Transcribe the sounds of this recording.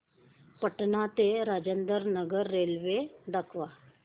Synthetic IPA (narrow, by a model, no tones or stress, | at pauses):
pəʈnat̪eɾaːd͡ʒə̃nd̪əɾnəɡəɾːeːlʋed̪əkʰʋaː